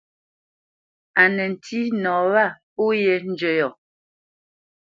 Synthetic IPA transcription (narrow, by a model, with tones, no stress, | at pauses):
a˨nə˨n̩˨tʰi˦nɔː˨wa˦˨po˦je˨n̩˦d͡ʒə˨jɔ˨